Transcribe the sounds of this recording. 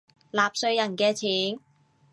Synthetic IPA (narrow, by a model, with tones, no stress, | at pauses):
laː˨p̚sɵ˧ɥjɐ˨˩nkɛː˧t͡sʰiː˨˥n